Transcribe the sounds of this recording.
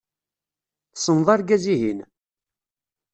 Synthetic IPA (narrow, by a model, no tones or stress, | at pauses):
θsənðˤɑɾɡæziɦin